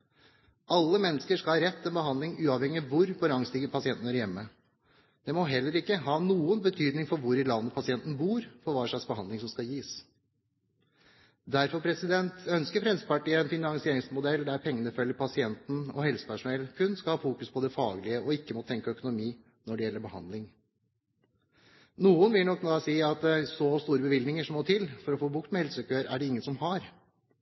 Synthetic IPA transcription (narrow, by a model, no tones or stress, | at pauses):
ɑlːəmɛnːəskəʂkɑlɑɾɛt̪ːɛnbəhɑnd̪lɪŋʉːɑʋhɛŋːɪʋʊɾfɔɾɑŋst̪ɪɡəpɑsɪɛnt̪n̩æɾjɛmːə | d̪̥ɛmɔɦɛlːəɾɪkːəɦɑːnuːənbət̪ʰyːd̪nɪŋfɔɾʋʊɾɪlɑnːəpʰɑsɪɛnt̪n̩buːɾfɔɾʋɑːʂɑksbəhɑnd̪ɪŋsɔmskɑjiːs | d̪æɾfɔɾpʰɾɛsɪd̪ɛnt̪œnskəɾfɾɛnsə̥pɑʈiːəɛnfɪnɑŋsɪeːɾɪŋsmʊd̪ɛld̪æɾpʰɛŋːənəfœlːəɾpʰɑsɪɛnt̪n̩ɔ̰hɛlsə̥pæʂʊnɛlkʰʉnːskɑlhɑːfuːkʉspʰɔd̪ɛfɑːɡəlɪəɔɪkːəmɔt̪ʰɛŋkəœkʊnʊmiː | nɔɖɛjɛlːəɾbəhɑ̰nd̪lɪŋ | nuːənʋɪlnɔknːɑːsiːɑt̪̚d̪ɛsɔst̪uːɾəbəʋɪld̪nɪŋəʂɔmoːt̪ʰɪlfɔɾɔfoːbʊk̚t̪mɛhɛlsœkəøːɾæ̰ɖɛɪŋːənsɔmhɑɾ